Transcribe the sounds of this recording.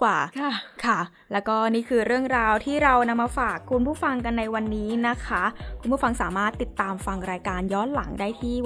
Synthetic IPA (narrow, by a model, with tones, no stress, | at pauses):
kwaː˨˩˥kʰa˥˩ | lɛː˦˥wkɔː˥˩niː˥˩kʰɯː˧ɾɯ˥˩əŋɾaː˧wt̪ʰiː˥˩ɾa˧wna˧mːaː˧faː˨˩kʰːu˧npʰuː˥˩fa˧ŋka˧nːa˧jwa˧nːiː˦˥na˦˥kʰa˦˥kʰu˧npu˥˩fa˧ŋsaː˩˦maː˥˩t̪ːi˨˩t̪ːaː˧mfa˧ŋɾaː˧jkaː˧njɔː˦˥nla˩˦ŋdaː˥˩jt̪ʰiː˥˩